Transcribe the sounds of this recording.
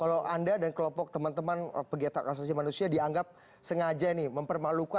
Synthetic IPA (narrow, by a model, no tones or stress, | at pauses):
kalawʔandadankəlɔmpɔk̚t̪əmant̪əmanpəɡiat̪a̰kas̬as̬imanusiadiaŋɡap̚ | səŋad͡ʒaniməmpərmaluka